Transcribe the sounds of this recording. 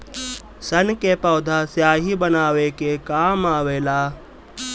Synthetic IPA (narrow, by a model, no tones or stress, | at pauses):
sɐnkepɐːd̪ʱaːsjaːɦibənaːʋekekaːmaːʋeːlaː